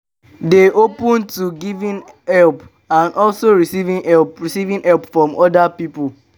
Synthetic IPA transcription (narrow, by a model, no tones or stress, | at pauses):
deʔopũntuɡivĩn | hɛlp | ãnʔɔlsoɹisivĩnhɛlpɹisivĩnɛlpfɹɔ̃mʔɔdapipʊ